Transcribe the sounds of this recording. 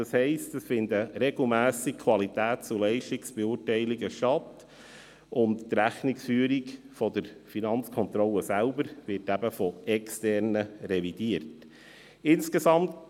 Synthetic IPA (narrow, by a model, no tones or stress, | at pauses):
ɑshɛɪstəsfɪndəɾɛɡl̩ˠmæːsikʰvɑlit̪æːtt͡sulɛɪʃtiksb̥euːɾtɛɪliɡəʃtɑt̪ | ʊnttɾæχniksfyːəɾik | fɔdəɾfinɑnt͡skʰɔnt̪ɾɔlːəsælbəɾvɪɾtæbəfɔɛkstɛɾnəɾɛvid̥iəɾt | ɪnskesɑmt